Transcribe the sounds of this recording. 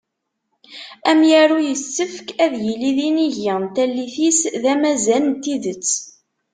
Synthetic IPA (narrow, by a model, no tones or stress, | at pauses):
æmjæɾujəsːəfkæðjəliðiniʝət̪ælːiθisðæmæzælnt̪iðət͡sː